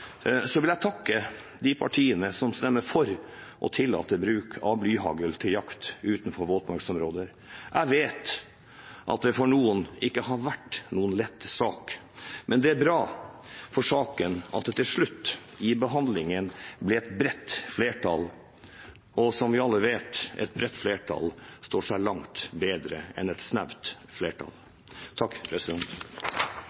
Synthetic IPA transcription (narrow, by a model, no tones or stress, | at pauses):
sɔʋɪljæɪt̪ʰɑkːə | d̪ɪpʰɑ̰ʈʰiːənəsɔmst̪ɛmːəɾfɔɾʔɔ̰t̪ʰɪlːɑ̰ːt̪ːəbɾʉːkʰɑblyːɦɑ̰ɡəlt̪ʰɪljɑkt̪ʉːt̪n̩fɔɾʋoːt̪mɑɾksɔmɾoːd̪əɾ | ʔæɪʋeːt̪ | ʔɑ̰t̪̚d̪ɛfɔɳuːənɪkːəhɑɾʋæʈːnuːənlɛt̪ːsɑːk | mʔɛnd̪ɛæɾbɾɑː | fɔʂɑːkənɑ̰t̪̚ɛt̪ʰɪlʂɭʉt̪ː | ɪbəɦɑnd̪lɪŋənblɪɛt̪bɾɛt̪ːfleːʈʰɑ̰l | ɔsɔmʋɪɑlːəʋeːt̪ɛ̰t̪̚bɾɛt̪ːfleːʈʰɑ̰lst̪oːʂæɪlɑŋt̪beːd̪ɾə̰ɛ̰nɛt̪snæʋt̪fleːʈʰɑ̰l | t̪ʰɑkːpʰɾɛsɪd̪ɛnt̪